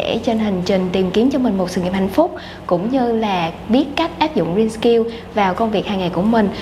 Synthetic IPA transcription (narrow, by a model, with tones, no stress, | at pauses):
ḛ˧˩t͡ɕe˧nhï˨˩ŋ̟t͡ɕi˨˩ŋ̟t̪i˨˩mki˨˦ənt͡ɕɔ˧mï˨˩ŋ̟mo˨˩sɨ̰˧˨ŋḭ˧˨əhɦa̰˧˨ŋ̟fʊ˦˥k͡p̚ | kʊ̰˧˥ŋ͡mɲɨ˧laː˨˩ɓi˦˥ət̚ka˦˥jk̟̚ʔaː˦˥p̚zʊ̰˧˨ŋ͡mzi˧nski˧w | vaː˨˩wkə˧wŋ͡mvi˨˩ək̚haː˨˩jŋa˨˩jku˧˩əmï˨˩ŋ̟